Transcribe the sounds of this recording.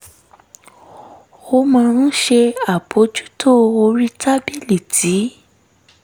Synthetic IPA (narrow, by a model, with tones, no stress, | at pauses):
o˧mã˧ɾ̃ũ˦ʃe˧a˨bo˨˦d͡ʒu˦tʰo˦˨o˧ɾi˦ta˦bi˦˨li˨ti˨˦